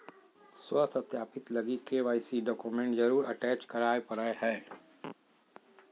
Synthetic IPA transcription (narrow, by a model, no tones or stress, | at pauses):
swəsɐt̪jaːpɪt̪lɐɡikeʋaːɪsiɖɔːkumẽɳʈzɐɾuːɾɐʈɛːt͡ʃkɐɾaːepɐɾəɦɛː